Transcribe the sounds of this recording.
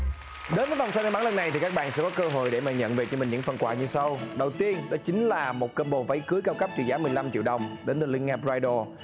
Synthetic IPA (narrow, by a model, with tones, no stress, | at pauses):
ɗe˨˦nvəː˨˦jva˨˩wŋ͡msa˧n˧ma˨˦ŋlə˧nːa˨˩jt̪ʰi˨kaː˦˥k̚ɓa̰ː˧˨nsɛ̰˧˥kɔ˨˦kəː˧ɦo̰˧˨jɗe˧˩maː˨˩ɲə̰˧˨nve˨˩t͡ɕɔ˧mï˨˩ŋɲɨ̰˧˥ŋfə˨˩nkwaː˧˩ɲɨ˧sa˧wɗə˨˩wt̪i˧ənɗɔ˨˦t͡ɕï˨˦ŋ̟laː˨˩mo˨˩t̚kə˧nɓo˨˩va˨˦jkɨ˨˦əjkaː˧wkə˦˥p̚t͡ɕḭ˧˩zaː˨˦mɨ˨˩əjla˧mt͡ɕḭ˧əwɗə˨˩wŋ͡mɗe˨˦nt̪ɨ˨˩lï˧ŋ̟ʔa˧p̚zaː˧jɗɔ˧˩